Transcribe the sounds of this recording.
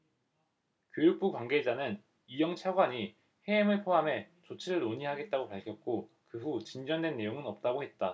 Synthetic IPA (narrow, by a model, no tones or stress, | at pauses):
kjojuk̚p͈ukwaŋɡe̞d͡ʑanɯn | ijʌŋt͡ɕʰaɡwaɲi | he̞ːmɯɭpʰoɦamɦe̞t͡ɕot͡ɕʰiɾɯɭoɲiɦaɡe̞t̚t͈aɡopaɭkʰjʌk̚k͈o | kɯɸut͡ɕind͡ʑʌndwenːe̞joŋɯnʌp̚t͈aɡoɦe̞t̚t͈a